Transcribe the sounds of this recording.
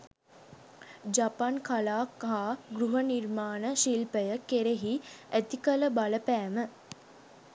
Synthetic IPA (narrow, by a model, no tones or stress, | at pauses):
d͡ʒapankalaːkɦaːɡɾuɦənirmaːnəʃilpəjəkeɾeɦiæt̪ikələbaləpæːmə